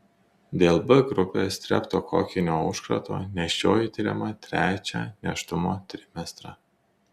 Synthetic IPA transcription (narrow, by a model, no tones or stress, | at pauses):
d̪ʲeːlˠbɐɡɾʊpʲeːst̪ʲɾʲɛ̰pt̪oːkʰo̰ːkʲɪnʲoːʊʃkɾɐ̰t̪o̰ːnʲɛʃʲt͡ʃʲoːjit̪ʲɪɾʲɛ̰mɐt̪ʲɾʲæːt͡ʃʲæ̰ːnʲɛʃt̪ʊmoːt̪ʲɾʲɪmʲɛst̪ɾɑ